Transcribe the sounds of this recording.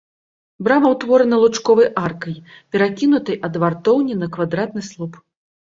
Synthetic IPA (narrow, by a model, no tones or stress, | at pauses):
bɾamɐwt̪vɔɾɐnɐlˠut͡ʂkɔvɐjʔarkɐj | pʲɛɾakʲinut̪ɨjʔɐd̪vart̪ɔwnʲinɐkvad̪ɾat̪̚nɨslˠup